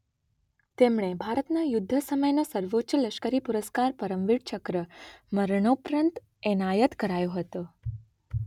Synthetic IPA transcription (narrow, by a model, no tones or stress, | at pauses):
t̪emɳebʱaɾət̪najʊd̪ʱːəsəməjnosəɾʋotːʃələʃkəɾipuɾəskaɾpəɾəmʋiɽt͡ʃəkɾəməɾɳopɾənt̪ | ɛnajət̪kəɾajoɦət̪o